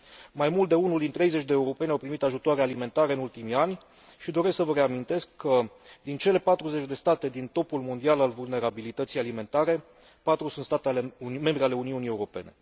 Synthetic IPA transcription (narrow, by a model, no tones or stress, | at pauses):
majmult̪̚d̪e̞unuld̪int̪ɾe̞jze̞t͡ʃd̪e̞ːuɾo̞pe̞nʲawpɾimit̪aʒut̪oaɾealime̞nt̪aɾeɨnult̪imianʲ | ʃid̪o̞ɾe̞sksəvəɾe̞amint̪e̞skʰːə | d̪int͡ʃe̞le̞pat̪ɾuze̞t͡ʃʲd̪e̞st̪at̪e̞d̪int̪o̞pulmo̞nd̪ialalvulne̞ɾabilit̪ət̪sijalime̞nt̪aɾe̞ | pat̪ɾusunt̪st̪at̪ealeme̞mbɾiale̞uniunie̞uɾo̞pe̞̰ne̞